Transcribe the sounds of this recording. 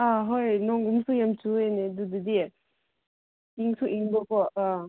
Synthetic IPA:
aɦojnɔŋɡumsujamt͡ʃuened̪ud̪ɯd̪i | iŋsuʔiŋbɔkɔa

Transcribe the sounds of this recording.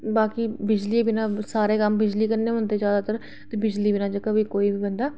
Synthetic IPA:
baːkiːbɪd͡ʒliːbɪnãːsaːɾeːkəmbɪd͡ʒliːkəɾneːɦʊ̃nd̪eːd͡ʒjaːd̪aːt̪əɾ | t̪eːbɪd͡ʒliːbɪnãːd͡ʒəkəbiːkoːiːbiːbənd̪aː

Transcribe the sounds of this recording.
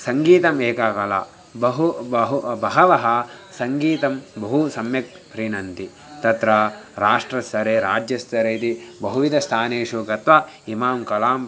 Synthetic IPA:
sɐŋɡiːt̪ɐmeːkakɐla̰ː | bɐɦuɦubɐɦɐʋɐɦɐsɐŋɡiːt̪ɐmbɐɦusɐmjɐk̚ | pɾinɐnt̪i | t̪ɐt̪ɾɐɾaːʂʈɾɐsɐɾeːɾaːd͡ʒjɐst̪ɐɾeːit̪ibɐɦuʋid̪ʱɐst̪ʰaːneːʃukɐt̪ʋa | imaːmkɐlaːm

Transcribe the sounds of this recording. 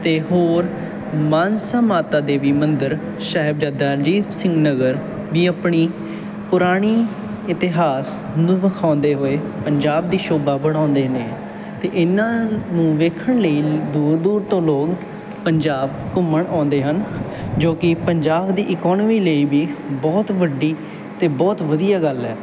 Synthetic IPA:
t̪eːɦoːɾ | maːnsaːmaːt̪aːd̪eːʋiːmənd̪əɾ | ʃaːɦɪbd͡ʒaːd̪aːd͡ʒiːsɪ̃ŋɡnəɡəɾ | biːəpɳiː | pʊɾaːɽ̃iː | ɪt̪ɪɦaːs | nũːʋəkʰãːnd̪eːɦoeːpəɲd͡ʒaːb̚d̪iːʃoːbaːbəɽ̃ãːnd̪eːneː | t̪eːʔɪnːãːnũːʋeːkʰəɳləiːd̪uːɾd̪uːɾt̪õːloːk | pəɲd͡ʒaːb̚kʊmːəɳãːnd̪eːɦən | d͡ʒoːkɪpəɲd͡ʒaːbd̪iːʔɪkɔːnmiːləiːbiːbɔːt̪ʋəɖiː | t̪eːbɔːt̪ʋəd̪ijaːɡəlɛː

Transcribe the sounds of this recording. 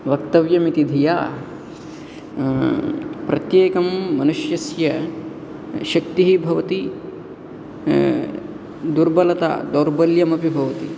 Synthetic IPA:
ʋɐkt̪ɐʋjɐmit̪id̪ʱijaː | pɾɐt̪jeːkɐmːɐnuʃjɐsjɐ | ʃɐk̚t̪iɦibʱɐʋɐt̪i | d̪uɾbɐlɐt̪a̰ːd̪oːɾbɐljɐmɐpibʱɐʋɐt̪i

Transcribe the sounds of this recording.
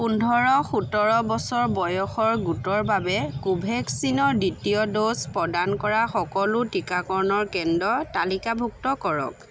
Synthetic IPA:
pundʱɔɹɔxutɔɹɔbɔsɔɹbɔjɔxɔɹɡutɔɹbabɛkubʱɛksinɔɹditiɔdospɹɔdankɔɹaxɔkɔlʊtikakɔɹnɔɹkɛndɔtalikabʱuk̚tɔkɔɹɔ̰k

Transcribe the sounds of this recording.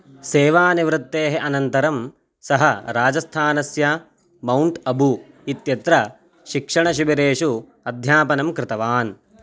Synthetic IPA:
seːʋaːniʋɾɪt̪ːeːɦeʔɐnɐnt̪ɐɾɐm | sɐɦɐɾaːd͡ʒɐst̪ʰaːnɐsjɐ | mɐwɳʈɐbʱu | it̪jɐt̪ɾɐ | ʃikʂɐɳɐʃ̬ibɐɾeːʃu | ɐd̪ʱjaːpɐnɐmkɾɪt̪ɐʋaːn

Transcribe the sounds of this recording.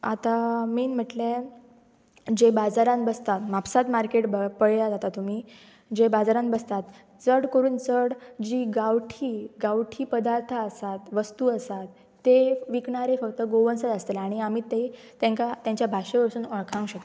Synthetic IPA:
at̪amiːnm̤əʈle | d͡ʑebad͡zaɾãnbəst̪at̪mapsat̪maɾkeʈbəpəɭjad͡zat̪at̪um̤iː | d͡ʑebad͡zaɾãnbəst̪at̪ | t͡səɽkəɾuːnt͡səɽd͡ʑiːɡawʈʰiːɡaʋʈʰiːpəd̪aɾt̪ʰaəsat̪ʋəst̪uəsat̪ː | eʋikɳaɾefəkt̪əɡoʋənsət̪əst̪elaɽ̃iam̤iːt̪e | t̪ɛ̃ŋkat̪jãɲt͡ɕjabʱaɕeʋəɾsuːnəɭkʰãũɕək̚t̪

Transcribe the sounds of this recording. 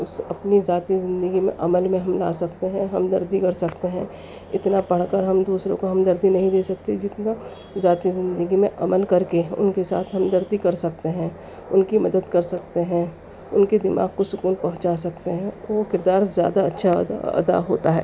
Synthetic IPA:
ʊsɐpnizaːt̪izɪ̃nd̪əɡimḛ̃ʔɐməlmẽɦɐmla̰ːsɐkt̪eɦɛ̃ɦɐmd̪ɐɾd̪ikɐɾsɐkt̪eɦɛ̃ː | ɪt̪napɐɽ̤kəɾɦɐmd̪uːsɾõkoɦɐmd̪ɐɾd̪inɐɦĩd̪eːsɐk̚t̪ed͡ʒɪt̪na | zaːt̪izɪ̃nd̪əɡimẽʔɐməlkɐɾkeʊ̰nkesa̰ːt̪ʰɦɐmd̪ɐɾd̪ikɐɾsɐk̚t̪eɦɛ̃ | ʊnkimɐd̪əd̪kɐɾsɐk̚t̪eɦɛ̃ | ʊnked̪ɪma̰ːɡkosʊkuːnpɐɦʊ̃t͡ʃas̬ɐkt̪eɦɛ̃ʋokɪɾd̪aːɾzja̰ːd̪aɐtːʃʰa̰ɐ̰d̪a̰ɦo̰ːt̪aɦɛː

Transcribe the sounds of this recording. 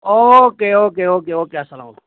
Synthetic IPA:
oːkeːoːkeːoːkeːoːkeːasəla̰ːm

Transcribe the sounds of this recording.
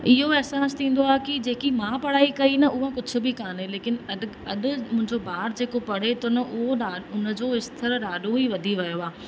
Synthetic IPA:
ɪɦoɛːsaːst̪ʰĩːn̆d̪oaːɦkɪd͡ʑeːkimãːpɐɽ̤aːikɐinɐʔʊɦãkʊd͡ʑʰʱʊ̆bɪkaːneleːkɪnɐɗ | ɐɗʊ̆mʊ̃ɦɪ̃ɲd͡ʑobaːɾd͡ʑeːkopɐɽ̤et̪ʊnɐʔʊɦoaːʊnə̆d͡ʑoːɪst̪ʰəɾəɗaːɗoɦiʋɐd̪ʱiʋɐjoaː

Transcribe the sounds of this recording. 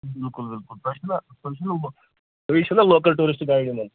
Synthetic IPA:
bilkulbilkulpɾɐʂɐnɐ | pɐʂɐnɐ | pɐʋikʂɐnɐloːkɐlʈuːɾisʈɨɡaːjiɽinɐn

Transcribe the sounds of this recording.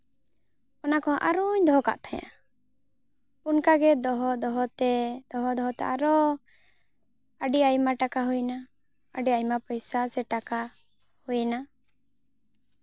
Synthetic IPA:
ɔnakɔʔaɾuɲd̪ɔɦɔka̰ʔt̪ʰaɲa̰ | unkaɡɛd̪ɔɦɔd̪ɔɦɔt̪ɛd̪̥ɔɦɔd̪ɔɦɔt̪ɛaɾɔ | əɖiajmaʈakaɦujna | əɖiajmapɔjsasɛʈaka | hujna

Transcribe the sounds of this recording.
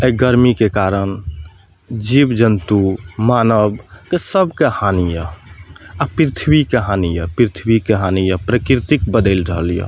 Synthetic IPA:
əɡəɾmikekaɾən | d͡ʒibd͡ʒənt̪umaːnəbkesəbʱkehanijə | apɾit̪ʰbikeɦanijəpɾit̪ʰbikeɦanijəpɾəkɾit̪ik̚bəd̪əɪlɾəɦəlijə̰

